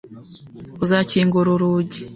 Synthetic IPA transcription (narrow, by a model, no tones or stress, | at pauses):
uzaciːŋɡoɾoɾuɟi̥